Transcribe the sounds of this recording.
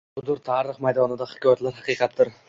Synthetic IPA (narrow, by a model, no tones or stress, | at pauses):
ʊzʊɾt̪ʰɑːɾɪχmajd̪ɒnɪd̪ahɪ̥kʰʲɒjat̪laɾhɑqijqʰɑt̪ʰːɪɾ